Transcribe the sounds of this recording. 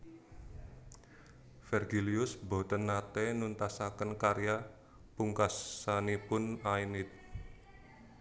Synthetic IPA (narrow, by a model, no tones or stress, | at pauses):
fɛrɡiliʊsbo̤t̪ənːat̪ɛnunt̪asakənkaɾja | puŋkasanipʊnainɪt̪̚